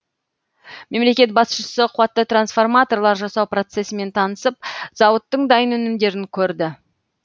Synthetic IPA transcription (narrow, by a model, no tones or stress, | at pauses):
me̞mle̞kʲe̞t̪̚bɑsʃəsəqʰʊwɑt̪ːət̪ransfo̞rmat̪o̞rlˠɑɾʒɑsɑwpro̞t̪se̞sɪme̞nt̪ʰɑnəsəp̚z̥ɑwət̪ːəɴd̪ɑjənɵnɪmd̪e̞ɾɪŋkʲʰɵɾd̪ɪ